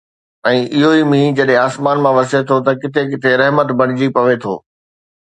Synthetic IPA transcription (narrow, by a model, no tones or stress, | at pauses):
ɛ̃ːʔɪɦoimĩːd͡ʑɐɗɦẽaːsmaːnmãʋɐset̪ʰot̪ɐkɪt̪ʰekɪt̪ʰeɾɛɦmət̪bʱɐɽ̃ɪd͡ʑipɐʋet̪ʰo̰ː